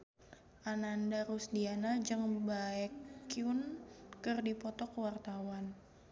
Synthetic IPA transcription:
ʔanandaɾusdianad͡ʒɨŋbaɛkːiunkɨrdipɔt̪ɔkəwart̪awan

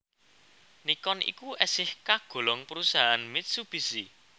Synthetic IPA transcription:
nikɔnʔḭkuʔɛsɪhkaɡ̥o̤lɔŋpəɾusaɦanmɪt̪̚sub̥i̤si

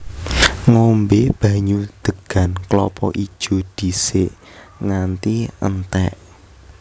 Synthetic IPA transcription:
ŋɔmbeb̥ä̤ɲud̪̥ə̤ɡ̥a̤nklɔpɔʔi̥ʒ̥ʒ̥o̤d̪̥i̤seʔ | ŋant̪iʔə̰nt̪ɛ̰ʔ

